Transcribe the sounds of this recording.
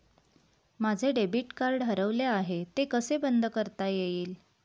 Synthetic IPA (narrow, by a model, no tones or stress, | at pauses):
mad͡zʱeɖebiʈkaɾɖʱɦəɾəʋleaɦet̪ekəsebənd̪ʱəkəɾt̪ajeiːl